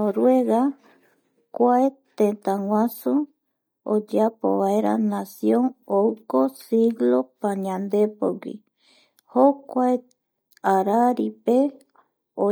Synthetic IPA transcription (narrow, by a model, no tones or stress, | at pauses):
oɾweɡa | kʷaet̪ẽnt̪ãŋʷãsũ | o̰d͡ʒapo̰βaeɾa̰nasjõŋowkosiɡlopaɲãnd̪epo̰ɡḭ | hokʷae | aɾaɾipe | o